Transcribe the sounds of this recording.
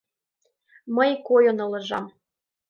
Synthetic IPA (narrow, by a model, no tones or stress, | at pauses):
məjkojonɤ̆lɤ̆ʒɑm